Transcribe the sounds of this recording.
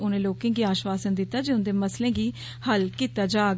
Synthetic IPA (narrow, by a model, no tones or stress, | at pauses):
ʊnẽːloːkẽːɡiːaːʃʋaːsənd̪ɪt̪ːaːd͡ʒeːʊnd̪eːməslẽːɡiː | həlkiːt̪aːd͡ʒaːɡ